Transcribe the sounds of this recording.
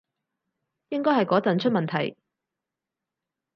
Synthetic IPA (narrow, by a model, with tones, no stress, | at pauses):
jɪ˥ŋkɔː˥ɦɐ˨jkɔː˨˥t͡sɐ˨nt͡ʃʰɵ˥t̚mɐ˨nt̪ʰɐ̰˨˩j